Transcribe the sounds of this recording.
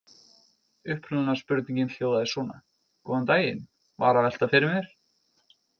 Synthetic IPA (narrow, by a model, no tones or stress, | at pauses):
ʏhpɾʏanḁspʏɾt̪niɲcɪnl̥joːwðaðɪsɔːna̰ | kɔant̪aːjɪ̰n | vaːɾavɛl̥t̪afɪɾɪmɛɾ̥